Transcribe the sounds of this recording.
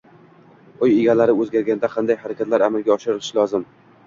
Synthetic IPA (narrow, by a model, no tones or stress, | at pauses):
ojeɡʲalaɾɪɵzɡʲaɾɡʲanɪd̪aqʰɑnd̪ajhaɾakʲat̪laɾamɪlɡʲaɒʃɪɾɪlɪʃlɒzɪm